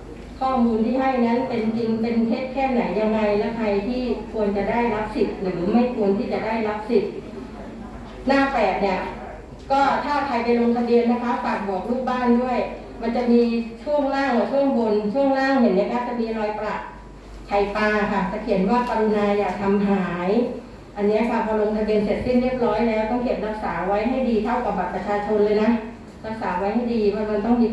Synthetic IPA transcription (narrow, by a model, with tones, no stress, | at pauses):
kʰɔː˥˩muː˧nt̪ʰiː˥˩ɦa˥˩jŋa˦˥npe˧nt͡ɕi˧ŋpe˧nt̪ʰeː˥˩t̪̚kʰɛː˥˩na˩˦jːa˧ŋɾa˧jlɛː˦˥wt̪ʰa˧jt̪ʰiː˥˩kʰu˧ənt͡ɕa˨˩da˥˩jɾa˦˥p̚si˨˩t̪̚ɾɯː˩˦ma˥˩jkʰu˧ənt̪ʰiː˥˩t͡ɕa˨˩daː˥˩jɾa˦˥p̚si˨˩t̪̚ | naː˥˩pɛː˨˩p̪̚ni˥˩ɐ | kɔː˥˩t̪ʰaː˥˩k̪ʰa˧jpa˧jlo˧ŋt̪ʰa˧bi˧ənːa˦˥kʰa˦˥fa˨˩k̚bɔː˨˩k̚luː˥˩k̚baː˥˩ndu˥˩əj | ma˧nt͡ɕa˨˩ʔmiː˧t͡ɕʰu˥˩əŋlaː˥˩ŋla˨˩t͡ɕʰu˥˩əŋbo˧nt͡ɕʰu˥˩əŋlaː˥˩ŋɦe˨˩˦nːi˥˩ɐkʰa˦˥˩t͡ɕa˨˩miː˧ɾɔː˧jpɾa˨˩t̚ | t͡ɕʰa˨˩jpaː˧kʰa˥˩t͡ɕa˨˩kʰi˨˩˦ənwaː˥˩p̪a˧nnaː˧jːaː˨˩k̚t̪ʰa˧mɦaː˩˦j | ʔa˧nːi˦˥ɐkʰa˦˥˩bɔː˧lo˧ŋt̪ʰa˧bi˧ənse˨˩t̪̚si˥˩nɾi˥˩ə˩p̚ɾɔː˦˥jlɛː˦˥wt̪ɔ˥˩ŋke˨˩p̚na˦˥k̚saː˩˦wa˦˥jɦa˥˩jdiː˧t̪ʰa˥˩wkaː˨˩ba˨˩p̚pɾa˧t͡ɕʰaː˧t͡ɕʰo˧nlɤː˧jna˦˥ | la˦˥k̚saː˩˦wa˦˥jɦha˥˩jdiː˧ma˧˩ma˧nt̪ɔ˥˩ŋmiː˧